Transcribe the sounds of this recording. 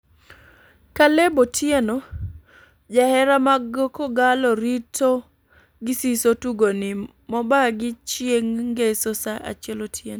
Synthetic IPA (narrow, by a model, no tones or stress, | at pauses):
kalebotʰjeno | d͡ʒahɛɾamaɡokoɡalɔɾitʰo | ɡɪsisotuɡonɪ | mɔbaɡɪt͡ʃjeŋɡesosaʔa̰t͡ʃɛlotʰjeno